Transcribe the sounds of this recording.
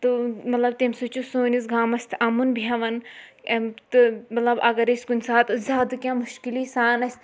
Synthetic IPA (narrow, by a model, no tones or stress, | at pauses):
t̪umɐt̪lɐb̚t̪emsut͡ʃʰusoːnis̬ɡaːmɐsʲt̪ʰɐmunbʱjɐʋɐn | t̪ɨmɐt̪lɐbɐɡɐɾesʲkunʲsaːt̪ɨzʲaːd̪kʲjãːmuʃkiliːsaːnɐsʲt̪ʰ